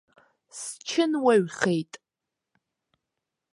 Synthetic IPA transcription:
st͡ʃʰɪnwɐɥχejtʼ

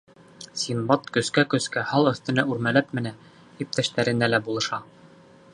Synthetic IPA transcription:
sʲimbɑt̪kɵ̆skækɵ̆skæhɑlˠɵ̆θt̪ɘ̆næʉɾmælæp̚mɘ̆næ | ip̚t̪æʃt̪æɾɘ̆nælæbulˠɤ̆ʃɑ

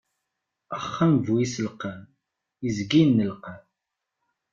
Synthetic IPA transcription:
əχːæmvwisəlqəm | izɡinːəlqam

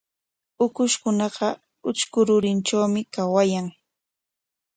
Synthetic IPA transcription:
ʊkʊʃkʊnɑɢɑ | ʊt͡ʃkʊɾʊɾɪnt͡ʃawmɪkawajaŋ

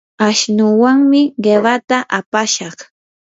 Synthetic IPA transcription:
aʃnʊwaŋmɪɢeɢat̪aʔapaʃɑχ

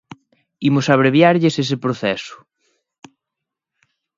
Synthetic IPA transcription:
imʊsaβ̞ɾeβjaɾʎɪsesɪpɾoθɛsʊ̥

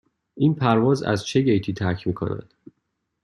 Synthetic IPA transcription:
ʔiːnpʰæɾvɒːzæ̰zt͡ʃʰeɡejt̪ʰiːt̪ʰæɾcʰmiːkʰo̰næ̰d̪̥

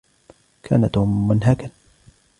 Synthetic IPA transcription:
kʰa̰ːnat̪hʊmːʊnɦakan

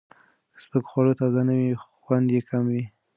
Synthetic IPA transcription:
spəkxwɑɽot̪ɑzanawixwand̪jekʰamwi

